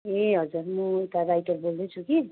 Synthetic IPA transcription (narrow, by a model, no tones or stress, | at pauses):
eɦʌd͡zuɾmʌt̪aɾajʈʌɾbold̪et͡sʰuki